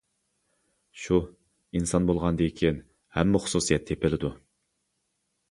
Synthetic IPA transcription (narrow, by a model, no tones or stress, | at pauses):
ʃu | insɑnbolˠʁɑnd̪ekʲʰin | hɛmːɪχʊ̥susijɛt̪ʰːepʰɪlɪd̪u